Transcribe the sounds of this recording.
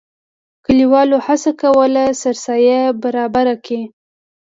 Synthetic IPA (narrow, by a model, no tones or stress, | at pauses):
kəliwɑlohasakawəlasaɾsɑjabaɾɑbaɾaki